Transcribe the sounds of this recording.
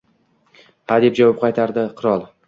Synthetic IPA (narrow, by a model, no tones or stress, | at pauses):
had̪e̞p̚d͡ʒavɒp̚qʰɑjt̪ʰaɾd̪ɪqʰɨɾɒlˠ